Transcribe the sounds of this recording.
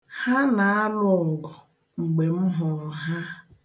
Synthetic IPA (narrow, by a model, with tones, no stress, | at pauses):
ha˦na˨a˦lʊ˦ɔ˨ɡɔ˨ | ŋ͡m̩˨ɡ͡be˨m̩˦ɦʊ˨ŋ̩˨ɦa˦